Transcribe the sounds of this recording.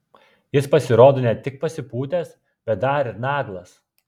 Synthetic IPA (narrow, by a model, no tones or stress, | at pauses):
jɪspɐsʲɪɾoːd̪oːnʲɛt̪ʲɪk̚pɐsʲɪpuːt̪ʲɛs | b̥ʲɛt̪̚d̪ɐɾɪɾnɑːɡlˠɐs